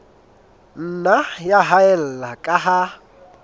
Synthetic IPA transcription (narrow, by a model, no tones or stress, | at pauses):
n̩najaɦaɛl̩lakʼaɦa